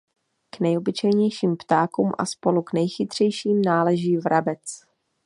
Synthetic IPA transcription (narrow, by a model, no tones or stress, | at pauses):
knɛjo̞bɪt͡ʃɛjɲɛjʃiːmpt̪aːkuːmʔa̰spo̞luknɛjxɪt̪r̝̥ɛjʃiːmnaːlɛʒiːvɾabɛt͡s